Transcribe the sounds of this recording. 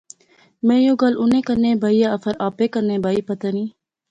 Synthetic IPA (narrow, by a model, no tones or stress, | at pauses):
mẽːjoːɡəlʊnẽːkəɾnẽːbʱaːijaəfəɾaːpeːkəɾnẽːbʱaːiːpət̪əniː